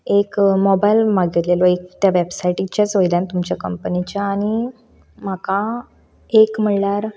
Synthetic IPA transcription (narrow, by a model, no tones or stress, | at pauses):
ekmɔbajlmaɡet̪lelɔek̚t̪jaʋebsajʈit͡ɕat͡sʋojljant̪umt͡ɕjakəmpənit͡ɕjaːñi | m̤aka | ekm̤əɳlaɾ